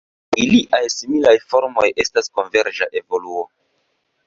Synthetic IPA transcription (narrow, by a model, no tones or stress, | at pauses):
iliʔajsimilajfo̞ɾmo̞jʔe̞stasko̞nve̞ɾd͡ʒaʔe̞vo̞luo